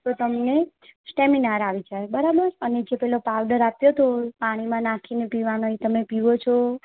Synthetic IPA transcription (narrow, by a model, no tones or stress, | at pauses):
t̪ot̪əmne | sʈeminaɾaʋit͡ʃʰajbəɾabəɾəned͡ʒepɛɦlopaʋɖəɾapjot̪opaɽ̃imãnakʰinepiʋanoit̪əmepiʋot͡ʃʰo